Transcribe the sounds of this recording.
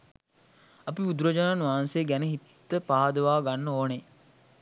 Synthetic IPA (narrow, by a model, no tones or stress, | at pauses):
ɐpiud̪uɾəd͡ʒanaːnʋaːanseɡænəɦit̪ːəpaɦad̪əʋaːɡanːəoːne